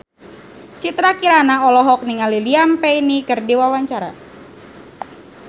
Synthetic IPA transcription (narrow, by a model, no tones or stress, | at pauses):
t͡ʃit̪ɾakiɾanaɔlɔɦɔk̚niŋaliliampɛjnikərdiwawaɲt͡ʃaɾa̰